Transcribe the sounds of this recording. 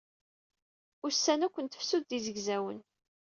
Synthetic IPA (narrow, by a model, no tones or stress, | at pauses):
ʊɾsːænækʷːənt̪ə̥fsuðːizəʝzæwən